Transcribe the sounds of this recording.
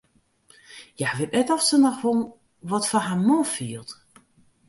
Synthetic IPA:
jaʋɪtɛtɔfsənɔxʋon | ʋɔtfaɦamofiəlˠt

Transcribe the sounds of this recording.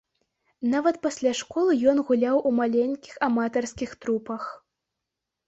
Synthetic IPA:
navɐt̪pɐsʲlʲaʂkɔlˠɨjɔnɣulʲawʔumalʲenʲkʲixamat̪ɐrskʲixt̪ɾupɐx

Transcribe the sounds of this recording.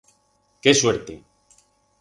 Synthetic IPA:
kesweɾt̪ḛ

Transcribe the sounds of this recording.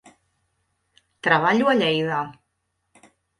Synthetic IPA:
t̪ɾaβ̞aʎuaʎɛjða

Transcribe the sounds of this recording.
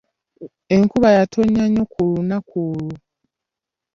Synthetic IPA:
e̞ŋkuβajatʰoɲːaɲo̞kʰulunakulu

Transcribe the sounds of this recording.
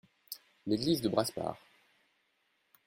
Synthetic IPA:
leɡlizd̪əbʁaspa̰ːʁ

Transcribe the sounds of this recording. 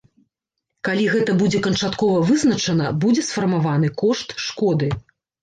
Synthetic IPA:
kalʲiɣɛt̪ɐbud͡zʲɛkɐnt͡ʂat̪kɔvɐvɨznɐt͡ʂɐnɐbud͡zʲɛsfɐrmavanɨkɔʂt̪ʂkɔd̪ɨ

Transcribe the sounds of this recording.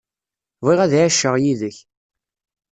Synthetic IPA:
vˤiʁæðʕaʃːəʁjiðəç

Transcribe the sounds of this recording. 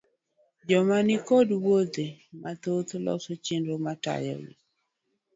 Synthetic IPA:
d͡ʒɔmanikɔdwod̪emat̪ot̪lɔ̰sot͡ʃenɾomata̰jɔ̰wḭ

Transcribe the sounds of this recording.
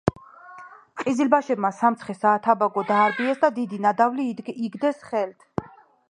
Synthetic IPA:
qʼizilbaʃɛbmasamt̪sʰχɛsaːt̪ʰabaɡɔd̪aːɾbiɛsd̪ad̪id̪inad̪avliːɡd̪ɛsχɛlt̪ʰ

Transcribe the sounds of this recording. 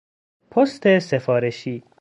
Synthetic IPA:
pʰost̪ʰesefɒːɾeʃiː

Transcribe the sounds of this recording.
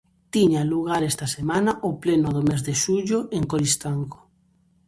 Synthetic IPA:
t̪iɲaluɣaɾest̪asemanaʔoplenoðomezðeʃuʎʊʔeŋkoɾist̪aŋɡo̥

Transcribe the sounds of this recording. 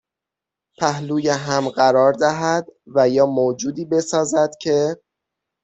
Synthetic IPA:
pʰæɦluːjeɦæmɢæɾɒːɾd̪æɦæd̪væjɒːmoːd͡ʒuːd̪iːbe̞sɒːzæd̪̥cʰe̞

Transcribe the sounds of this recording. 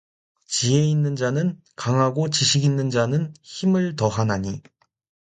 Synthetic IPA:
t͡ɕie̞inːɯnd͡ʑanɯn | kaŋɦaɡot͡ɕiɕʰiɡinːɯnd͡ʑanɯnçimɯɭtʌɦanaɲi

